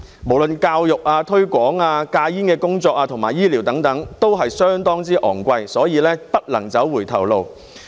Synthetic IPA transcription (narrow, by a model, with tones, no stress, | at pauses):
mo˨˩wlɵ˨nkaː˧wjʊ˨k̚aː˧t̪ʰɵ˥ɥkʷɔː˨˥ŋaː˧kaː˧jiː˥nkɛː˧kʊ˥ŋt͡sɔː˧k̚aː˧t̪ʰʊ˨˩ŋmaː˨jiː˥liː˨˩wt̪ɐ˨˥ŋt̪ɐ˨˥ŋt̪o˥wɦɐ˨jsœː˥ŋt̪ɔː˥ŋt͡siː˥ʔɔ̰ː˨˩ŋkʷɐ˧jsɔː˨˥jiː˨˧lɛː˥pɐ˥t̚lɐ˨˩ŋt͡sɐ˨˥wwuː˨˩jt̪ʰɐ̰˨˩wlo˨˧w